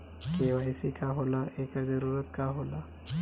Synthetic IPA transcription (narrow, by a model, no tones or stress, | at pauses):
keʋajsikaɦolaʔekad͡zəɾuːɾət̪kaɦola